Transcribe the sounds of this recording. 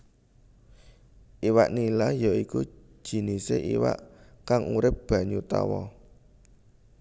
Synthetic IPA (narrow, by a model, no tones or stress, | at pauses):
ʔiwa̰ʔnilajaiku̥ | ʒ̥i̤niseʔḭwa̰ʔkaŋuɾɪp̚b̥ä̤ɲut̪a̰wɔ